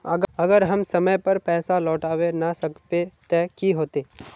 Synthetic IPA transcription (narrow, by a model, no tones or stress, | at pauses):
əɡɐɡəɾɦɐmsɐməjpəɾpɛːsalɔːʈaːʋenasəkpet̪ekiɦoːt̪eː